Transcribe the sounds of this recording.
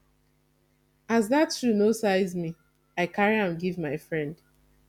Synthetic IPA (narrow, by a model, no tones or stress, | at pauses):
azðatɹunosaɪzmi | aɪkaɹiãmɡivmaɪfɹɛ̃nd